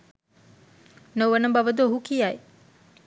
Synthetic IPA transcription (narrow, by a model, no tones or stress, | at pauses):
noʋɐnɐbɐʋɐd̪oɦukijaj